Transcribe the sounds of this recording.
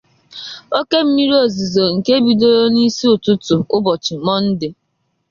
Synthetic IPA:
o˦ke˦m̩˦mi˦ɾi˦o˨zi˨zo˨ŋ̩˨ke˦bi˨do˦ɾo˦ni˦si˦ʊ˨tʊ˦tʊ˨ʊ˦bɔ˨t͡ʃɪ˨mɔ˦n̩˦dɪ˨

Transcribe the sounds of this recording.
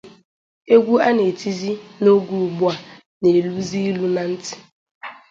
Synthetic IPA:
e˦ɡʷu˦a˦ne˨ti˦zi˦no˦ɡu˨ɡ͡bʊ˦a˨ | ne˨lu˦zi˦lu˦na˨n̩˦tɪ̥˨

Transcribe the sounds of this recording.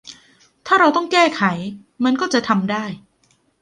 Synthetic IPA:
t̪ʰaː˥˩ɾa˧wt̪ɔ˥˩ŋkɛː˥˩kʰa˩˦j | ma˧nkɔː˥˩t͡ɕa˨˩ʔt̪ʰa˧mdaː˥˩j

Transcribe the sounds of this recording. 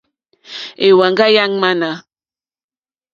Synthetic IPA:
e˨wa˨ŋɡa˦ja˦ŋma˦na˨

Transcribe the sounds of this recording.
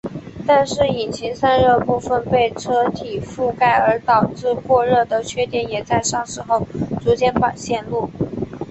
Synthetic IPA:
t̪a˥˧nʂɻ̩˥˩i˨˩nt͡ɕʰi˧˥ŋsa˥nɻɤ˥˧pu˥˩fə˧npe˥˩ɪʈ͡ʂʰɤ˥t̪ʰi˨˩fu˥˧ka˥˩ɪə˞˧˥t̪ɑ˨˩ʊʈ͡ʂɻ̩˥˧kwɔ˥˧ɻɤ˥˩d̪ə˩t͡ɕʰɥɛ˥t̪jɛ˧˥˩njɛ˨˩t͡sa˥˧ɪʂɑ˥˧ŋʂɻ̩˧˥xo˥˩ʊt͡su˧˥t͡ɕjɛ˥npa˨˩ɕjɛ˥˧nlu˥˩

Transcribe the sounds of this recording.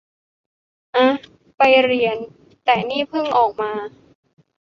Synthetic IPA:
ʔa˧ | pa˧jɾi˧ən | t̪ɛː˨˩niː˥˩pʰɯ˥˩ŋʔɔː˨˩k̚maː˧

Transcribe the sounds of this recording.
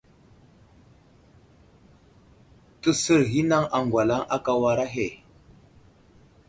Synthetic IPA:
tə˨sə˦ɾɦi˦na˦ŋa˨ŋɡwʷa˨la˦ŋʔa˦ka˨wa˨ɾa˦ɦe˨

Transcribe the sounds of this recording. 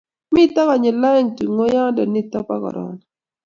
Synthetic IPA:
mɪ˦ta˦kɔ˨ɲɪ˨la˦ɛ˦˨ŋti˨ŋo˦ja˦ŋ˦dɔ˨ni˦˨tɔ˦pa˦kɔ̰˨ɾɔ̰˨n

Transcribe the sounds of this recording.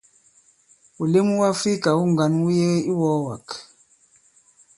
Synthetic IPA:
u˨le˦mu˦wa˦fi˦ka˨u˦ŋɡa˨˦nwu˦jɛ˦i˦wɔ˦wa˨k

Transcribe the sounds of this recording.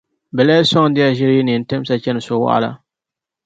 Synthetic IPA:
bɛ˨la˦sɔ˦ŋ˨˦dɪ˦a˦ʒɪ˦ɾji˦nɨ˨n̩˦tɛ˦m˦sa˨t͡ʃɛ˦nɨ˨so˨wa̰˦ʔa̰˦la̰˦

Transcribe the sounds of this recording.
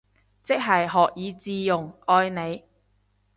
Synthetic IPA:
t͡sɪ˥k̚ɦɐ˨jɦɔː˨k̚jiː˨˧t͡siː˧jʊ˨˩ŋɔː˧jne˨˧j

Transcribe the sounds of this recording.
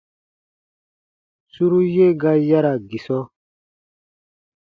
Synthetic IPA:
su˦ɾu˦je˦ɡa˦ja˦ɾa˨ɡi˨sɔ˦

